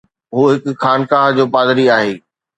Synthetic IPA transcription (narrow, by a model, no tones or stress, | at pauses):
ɦuːɦɪkʊ̆xaːnkaːɦd͡ʑoːpaːd̪ɾiaːɦeː